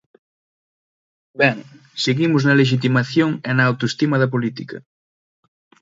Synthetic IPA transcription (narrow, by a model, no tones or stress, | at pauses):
bɛŋ | seɣimʊznɐleʃ̬it̪̬imaθjoŋenɐːwt̪oest̪imɐðɐp̬olit̪ikɐ̰